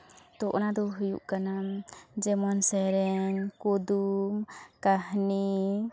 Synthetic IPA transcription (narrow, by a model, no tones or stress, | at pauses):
t̪ɔʔɔnad̪ɔɦujṵʔkanamd͡ʒɛmɔnsɛɾɛɲkud̪umkahni